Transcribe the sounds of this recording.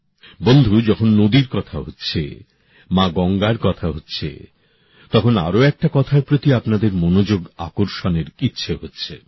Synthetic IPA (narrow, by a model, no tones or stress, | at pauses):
bond̪ʱud͡ʑɔkʰonːod̪iɾkɔt̪ʰaɦotːɕʰḛ | mãɡɔŋɡaɾkɔt̪ʰaɦotːɕʰḛ | t̪ɔkʰona̰ɾoɛk̚ʈakɔt̪ʰaɾpɾot̪iapnad̪eɾmonod͡ʑoɡa̰koɾʃoneɾitːɕʰeɦotːɕʰḛ